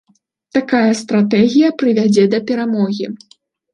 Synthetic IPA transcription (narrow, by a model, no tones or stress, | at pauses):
t̪akajɐst̪ɾat̪ɛɣʲijɐpɾɨvʲad͡zʲɛd̪ɐpʲɛɾamɔɣʲi